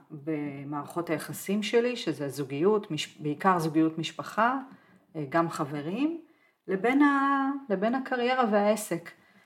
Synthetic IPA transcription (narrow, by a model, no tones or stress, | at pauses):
be̞maːʁaχo̞thajaχasimʃe̞liʃezezuɡijutmiʃbeikaʁzuɡijutmiʃpaχa | ɡamχave̞ʁim | lebe̞nale̞be̞nakʰaʁje̞ʁaveae̞se̞k